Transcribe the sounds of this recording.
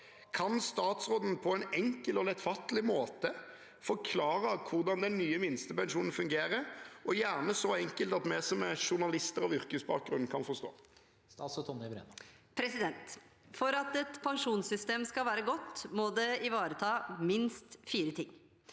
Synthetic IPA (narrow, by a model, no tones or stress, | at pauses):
kʰɑnst̪ɑːt̪sɾoːd̪n̩pʰɔɛnɛŋkəlɔlɛt̪fɑt̪lɪmoːt̪ə | fɔɾkʰlɑːɾəkʰʊʁd̪ɑnd̪ɛnːyːəmɪnst̪əpɛnʃuːnn̩fʉŋɡeːɾəʔɔjæːʁnəsɔɛŋkəlt̪ɑt̪mɛsɔmɛʂʊʁnɑlɪst̪əɾɑʋʏɾkəsbɑ̰ːk̚ɡɾʁʉn̩kʰɑnfɔʁst̪o̰ː | ssɔt̪ʰɔɪbɾḛn | pʰɾɛsɪd̪ɛnt̪ | fɔɾɑt̪ɛt̪pʰɑŋʂuːnsʏst̪eːmskɑlʋæːɾəɡɔt̪ːmɔd̪ɛɪʋɑːɾət̪ʰɑːmɪnst̪fiːɾət̪ʰɪŋː